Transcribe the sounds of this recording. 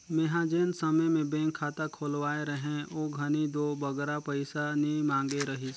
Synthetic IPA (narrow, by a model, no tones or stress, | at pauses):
meɦad͡ʒeːnsɐməjmẽbẽːŋkʰːaːt̪akʰoːlwaːeɾəɦẽoːɡʱɐnid̪oːbɐɡɾapəɪsanimãːŋɡeɾɐɦi